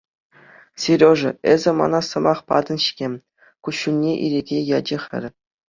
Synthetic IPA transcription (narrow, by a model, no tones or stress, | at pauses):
sʲiɾʲoʐɤ̆ezʲɘ̆mɑ̰nɑsɤ̆mɑχpɑ̰d̪ɤ̆nɕi̥kʲemʲ | kuɕːunʲːeʔḭɾʲeɡʲejɑd͡ʑɘ̆xʲɘ̰̆rʲ